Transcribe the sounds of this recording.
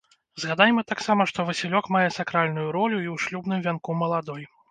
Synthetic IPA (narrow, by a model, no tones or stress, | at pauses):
zɣad̪ajɛmɐt̪aksamɐʂt̪ɔvɨsʲilʲɔkmajɛsakɾalʲnujuɾɔlʲuiwʂlʲubnɨmvʲankumɐlˠad̪ɔj